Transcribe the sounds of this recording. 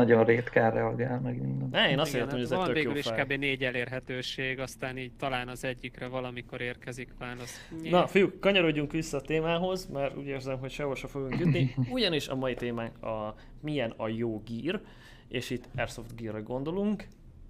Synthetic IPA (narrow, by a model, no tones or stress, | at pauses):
ɒɟoreːt̪karɛɒɡaːlmɛɡmind̪ɛɛeːnɒseɾt̪ːɔmhoɟɛzɛt̪økveːjoyːliʃʃaːbeːneːɟɛleːrɦɛt̪øːʃeːɡɒst̪aːniːɟ̚t̪ɒlaːnɒzɛɟːikrɛvɒlɒmiko̞ɾeːrkɛzikʋaːlos | nɒfijukkɒɲɒɾo̞ɟːuŋkʋisːɛːt̪eːmaːɦo̞zmaːɾṵːɟeːrzɛmɦocʃɛɦoʃɒfoɡuŋkːyt̪niuɟɒniʃɒ̰mɒjit̪eːmaːŋkɒ | mijɛnɒjoːɡiːr | eːʃit̪ːɛrso̞ft̪ɡiːrːɛɡo̞nd̪o̞luŋk